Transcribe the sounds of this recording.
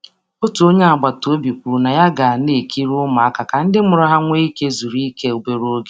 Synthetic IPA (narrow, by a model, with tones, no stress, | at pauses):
o˦tu˨o˦ɲe˦a˨ɡ͡ba˨to˦bi˨kʷu˨ɾu˨na˨ja˦ɡa˨ne˨kʰi˦ɾʊ˦ma˨a˦ka˨ka˨n̩˦dɪ˦mʊ˨ɾʊ˦ɦa˦ŋʷe˦i˦ke˦zu˨ɾi˦ke˦o˨be˨ɾo˦ɡe˨